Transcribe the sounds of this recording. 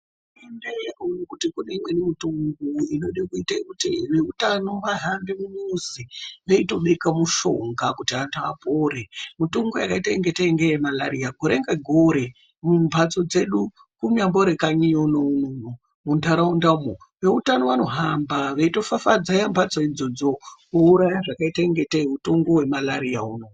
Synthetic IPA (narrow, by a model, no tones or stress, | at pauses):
u | umendeakaunikutikuneimwe̞nimitoŋɡoinoɗikuitaikutiʋe̞utano̞ʋaɦambimuɲːziʋeito̞ɓekamuʃo̞ŋɡakutiantaa̰poːɾemitoŋɡojakaitaiŋɡetaiŋɡejemala̰ɾijaɡʱo̞ɾeŋɡaɡʱoɾe | mumbʱat͡so̞d͡ze̞ɗu | kumamboɾe̞kaɲijonounouno | mundʱaɾaundaumo | ʋe̞utano̞ʋano̞ɦambaʋeito̞fafad͡zajambʱat͡soid͡zo̞d͡zo̞kuuɾajaʐakaitaeŋɡe̞taeuto̞ŋɡo̞we̞malaɾijauno̞